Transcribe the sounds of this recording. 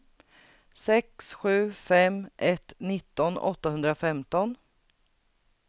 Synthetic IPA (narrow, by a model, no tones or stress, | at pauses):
sɛksɧʉ̟ːfɛmʔɛt̪nɪt̪ːɔnɔ̰t̪ːahɵnd̪ɾafɛmt̪ɔn